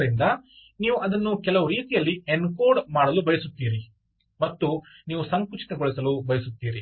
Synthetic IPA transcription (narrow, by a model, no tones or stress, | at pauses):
ɾind̪ɐ | niːʋuɐd̪ɐnːukɛlɐʋuɾiːt̪ijɐlːienkoːɖmaːɽɐlubɐjɐsut̪ːiːɾi | mɐt̪ːuniːʋusɐŋkɾut͡ʃi̥t̪ɐɡoɭisɐlubɐjɐsut̪ːiːɾi